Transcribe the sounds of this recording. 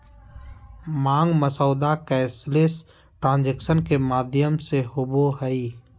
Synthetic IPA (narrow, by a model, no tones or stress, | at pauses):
mãːŋɡməsɔːd̪akɛːsles | ʈɾãːnd͡ʒekʃənkemaːd̪jəmseɦʊboɦəi